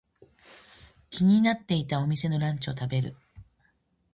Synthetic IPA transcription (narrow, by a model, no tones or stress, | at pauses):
kʲiɲ̟inat̪ːe̞it̪ao̞mʲise̞no̞ɾãɲt͡ɕio̞t̪abe̞ɾɯ̟̰